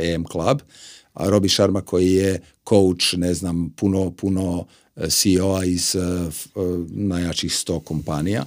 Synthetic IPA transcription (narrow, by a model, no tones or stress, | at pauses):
emklˠaba̰ɾo̞biʃaɾmakʰo̞jije | kʰowt͡ʃneznampunopuno | sioaiz̥ | najat͡ʃixst̪o̞ːkompanija̰